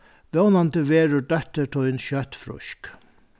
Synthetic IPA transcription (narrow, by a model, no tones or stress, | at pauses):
ʋɛwnant̪əʋeːɾʊɖœht̪əɾʈʰɔjnʃœht̪fɾʊ̰ʃk